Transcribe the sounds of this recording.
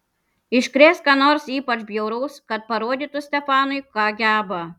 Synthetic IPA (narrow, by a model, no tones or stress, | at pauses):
ɪʃʲkɾʲeːskɑːnoːɾsiːpɐt͡ʃbʲjɛʊɾɔːskɐt̪̚pɐɾuɔd̪ʲiːt̪ʊsʲt̪ʲɛfɑːnʊɪkɑːɡʲæːbɐ